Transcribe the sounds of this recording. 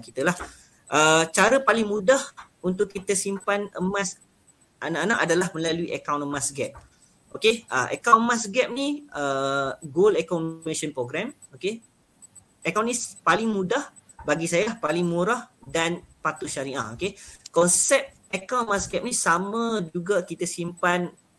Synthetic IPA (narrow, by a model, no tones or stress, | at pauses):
kit̪əlah | ʔət͡ʃaɾəpalɪŋmũdah | unt̪ʊʔkːit̪əsimpanəmãs | ʔanaʔanaʔadalahmə̃laluiʔəkawnmasɡɛp̚ | okeʔə̰ʔə̰kawnmãsɡɛp̚niəɡolɛkɔnmeʃənpɾoɡɾɛm | oke | əkawnĩspalɪŋmudah | baɡisajahpalɪŋmũɾahdanpat̪uʃaɾia̰okekɔnsɛp̚t̪ | əkawnnmasɡɛp̚nisamãd͡ʒuɡakit̪əsimpan